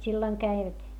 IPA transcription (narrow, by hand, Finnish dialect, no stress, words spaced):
silːoĭŋ kæiʋæt